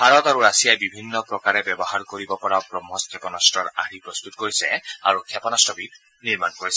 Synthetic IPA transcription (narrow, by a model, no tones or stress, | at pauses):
baɹɔtaɹuɹasijajbibʱinːɔpɹɔkaɹɛbjɛbɔɦaɹkoɹibɔpɔɹaʊɡɹɔmɦɔskʰɛpɔnastɹɔɹa̰ɹipɹɔst̪utkoɹisɛ̰a̰ɹukʰɛpɔnastɔbit | niɹmankoɹisɛ